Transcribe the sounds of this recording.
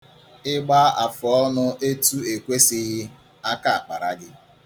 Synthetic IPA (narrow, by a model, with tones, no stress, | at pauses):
ɪ˦ɡ͡ba˦a˨fʊ˨ɔ˦nʊ˦e˦tu˦e˨kʷe˦sɪ˦ɣɪ˦ | a˦ka˦a˨k͡pa˨ɾa̰˨ɡɪ˦